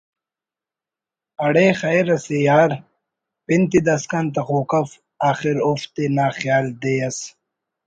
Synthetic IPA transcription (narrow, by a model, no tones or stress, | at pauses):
ɐɽeːxɐjɾɐsejaːɾ | pint̪id̪ɐskant̪̬ɐxoːkɐf | aːxiɾoːft̪enaːxjaːld̪eːɐs